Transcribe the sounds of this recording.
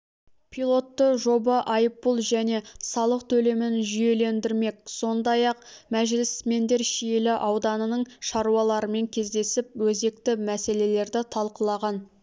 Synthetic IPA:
pʰijlˠo̞t̪ːəʒo̞bɑʔɑjəpːəlˠʒæne̞sɑlˠəq̚t̪ʰɵle̞mɪnʒʏje̞le̞nd̪ɪɾme̞k̚so̞nd̪ɑjɑq̚mæʒlɪsme̞nd̪e̞ɾʃijelɪʔɑwd̪ɑnənəɴʃɑɾuɑlˠɑɾəme̞ŋkʲʰe̞zd̪e̞sɪp̚wɵze̞kt̪ɪmæse̞le̞le̞ɾd̪ɪt̪ʰɑlˠqəlˠɑʁɑn

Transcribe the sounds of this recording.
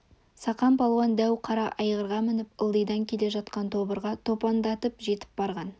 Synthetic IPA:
sɑqɑmpʰɑlˠwɑnd̪æwqʰɑɾɑʔɑjʁəɾʁɑmɪnɪpəlˠd̪əjd̪ɑŋkʲʰe̞le̞ʒɑt̪qɑnt̪ʰo̞bəɾʁɑt̪ʰo̞pɑnd̪ɑt̪əpʒe̞t̪ɪ̥p̚bɑɾʁɑn

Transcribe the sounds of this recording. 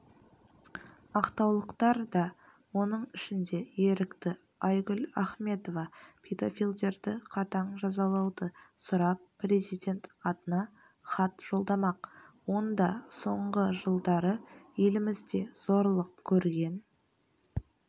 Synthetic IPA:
ɑqt̪ɑwlˠəqt̪ɑɾd̪ɑ | wo̞nəɴɪʃɪnd̪e̞je̞ɾɪkt̪ɪ | ɑjɡʲʏlaχme̞t̪o̞vɑpʲʰed̪ofilʲd̪e̞ɾd̪ɪqʰɑt̪ɑɴʒɑzɑlˠɑwd̪əsʊɾɑpːre̞zijd̪ʲe̞nt̪ɑt̪ənɑ | χɑt̪ʒ̥o̞lˠd̪ɑmɑqwo̞nd̪ɑso̞ɴʁəʒəlˠd̪ɑɾəje̞lɪmɪzd̪e̞z̥o̞ɾlˠəq̚kʲʰɵɾɡʲe̞n

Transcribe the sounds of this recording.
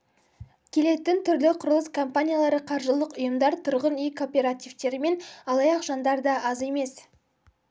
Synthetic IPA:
kʲʰe̞le̞t̪ɪnt̪ʰʏɾlɪqʰʊɾəlˠəskʰo̞mpanʲijalˠɑɾəqʰɑɾʒəlˠəqʊjəmd̪ɑɾt̪ʰʊɾʁənijkʰopʲe̞ɾat̪ivt̪e̞ɾɪme̞nɑlˠɑjɑqʒ̥ɑnd̪ɑɾd̪ɑʔɑze̞me̞s

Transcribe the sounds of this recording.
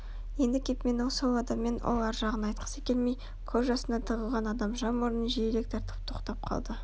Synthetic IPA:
je̞nd̪ɪkʲʰe̞pme̞nwolˠsolˠɑd̪ɑmːe̞nwʔo̰lˠɑɾʒɑʁənɑjt̪̚qʰə̥səkʲe̞lmej | kʲʰɵzʒɑsənd̪ɑt̪ʰəʁəlˠʁɑnɑd̪ɑmʒɑmoɾənʒieɾek̚t̪ʰɑɾt̪ʰə̥p̚t̪ʰo̞qt̪ɑp̚qʰɑ̰lˠd̪ə

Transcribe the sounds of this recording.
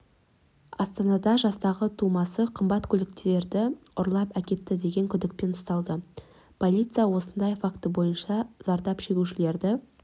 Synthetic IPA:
ɑst̪ɑnɑd̪ɑʒɑst̪ɑʁət̪ʰumɑsəqʰəmbɑt̪kʲʰɵlɪk̚t̪ee̞ɾd̪ɪ | ʊɾlˠɑpækʲe̞t̪ːɪd̪e̞ɡʲe̞ŋkʲʰʏd̪ɪk̚pe̞nʊ̥st̪ɑlˠd̪ə | pʰo̞lʲijt̪sɨjawo̞sənd̪ɑjfakt̪əbo̞jənʃɑzɑɾd̪ɑpʃe̞ɡʲuʃɪle̞ɾd̪ɪ

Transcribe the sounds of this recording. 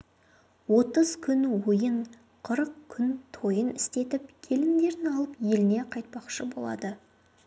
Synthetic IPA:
wo̞t̪əzkʲʰʏnwojəɴ | qʰəɾəqkʲʰʏnt̪ʰo̞jənɪst̪e̞t̪ɪp̚kʲʰe̞lɪmd̪e̞ɾɪnɑlˠəpje̞lɪne̞qʰɑjt̪̚pɑqʃəbo̞̰lˠɑ̰d̪ə

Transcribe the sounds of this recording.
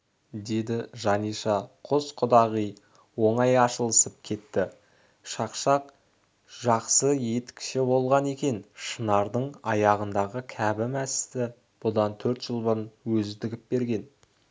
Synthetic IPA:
d̪e̞d̪ɪʒɑnijʃɑqʰosqʰʊd̪ɑʁij | wo̞ɴɑjɑʃəlˠəsəp̚kʲʰe̞t̪ːɪ | ʃɑqʃɑq | ʒ̥ɑqsəje̞t̪ɪ̥kʲɪ̥ʃebo̞lˠʁɑne̞kʲe̞nʃənɑɾd̪əɴɑjɑʁənd̪ɑʁəkʲʰæbɪmæsɪ̥st̪ɪ | b̥ʊd̪ɑnt̪ʰɵɾt̪ʒ̥əlˠbʊɾənwɵzɪd̪ɪɡʲɪp̚be̞ɾɡʲe̞n

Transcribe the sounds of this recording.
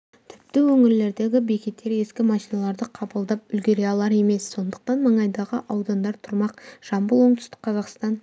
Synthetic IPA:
t̪ʰɪ̥p̚t̪ɪwɵŋɪɾle̞ɾd̪e̞ɡʲɪbe̞kʲe̞t̪ʰːe̞ɾje̞skʲɪmɑʃijnɑlˠɑɾd̪əqʰɑbəlˠd̪ɑpʏlɡʲe̞ɾeɑlˠɑɾe̞me̞sːo̞nd̪əq̚t̪ɑnməɴɑjd̪ɑʁəʔɑwd̪ɑnd̪ɑɾt̪ʰʊɾmɑqʒ̥ɑmbəlˠwo̞ɴt̪ʰʏ̥st̪ɪ̥k̚qʰɑzɑqst̪ɑn

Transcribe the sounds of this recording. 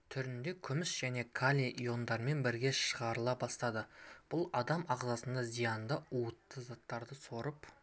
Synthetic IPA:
t̪ʰʏɾɪnd̪e̞kʲʰʏmɪsʒ̥æne̞kʰalʲeʔijo̞nd̪ɑɾəme̞nbɪɾɡʲe̞ʃəʁɑɾəlˠɑbɑst̪ɑd̪əb̥ʊlˠɑd̪ɑmɑʁzɑsənd̪ɑzijɑnd̪əuət̪ːəzat̪ːɑɾd̪əso̞ɾəp

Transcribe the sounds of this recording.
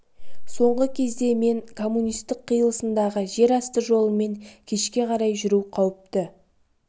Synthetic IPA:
so̞ɴʁəkʲʰe̞zd̪e̞me̞ŋkʰo̞mːunijst̪ɪqqʰːijəlˠəsənd̪ɑʁəʒe̞ɾɑst̪əʒo̞lˠəme̞ŋkʲʰe̞ʃkʲe̞qʰɑɾɑjʒʏɾuqʰɑwəp̚t̪ɪ

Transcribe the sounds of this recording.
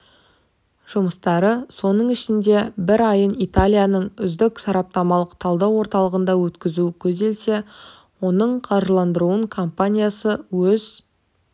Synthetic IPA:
ʒ̥ʊməst̪ɑɾəso̞nəɴɪʃɪnd̪e̞bɪɾɑjənit̪alʲijanəɴʏzd̪ɪksɑɾɑp̚t̪ɑmɑlˠəqt̪ʰɑlˠd̪ɑwo̞ɾt̪ɑlˠəʁənd̪ɑwɵt̪kʲɪzukʲʰɵzd̪e̞lse̞ | wo̞nəɴqʰɑɾʒəlˠɑnd̪əɾuəɴkʰo̞mpanʲijasəwɵz

